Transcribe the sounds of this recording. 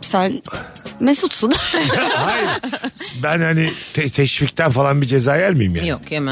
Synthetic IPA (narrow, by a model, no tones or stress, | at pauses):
sæn | mesut̪sud̪ahajiɾbænhanit̪ʰɛt̪ʰɛʃfict̪ʰænfalˠanbid͡ʒezaːjæɾmijimja̰jokemæ